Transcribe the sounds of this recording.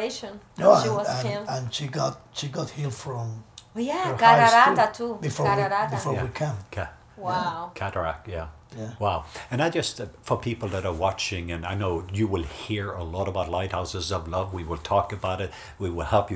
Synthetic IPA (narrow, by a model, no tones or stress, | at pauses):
eʃn | noə̃ə̃nə̃nʃiɡɑt̚ʃiɡɑt̚hilˠfɹʌ̃mjæəɡɾatʰubɨfɔɹwiabɨfɔɹwikʰʌ̃mkʰ | wakʰæɾə˞æ̰k̚jæ | jæwaʊɨ̃ñaɪd͡ʒʌstfə˞pʰipl̩ˠðəɾə˞wɑt͡ʃɪ̃ŋɨ̃naɪnoʊjɨwɪlˠhiɹəlɔɾəbaʊtˡlaɪt̚haʊsɨzʌvlʌvwiwɪlˠtʰɔkɨbaʊɾɨt̚ | wiwɪlˠhɛlˠpjɨ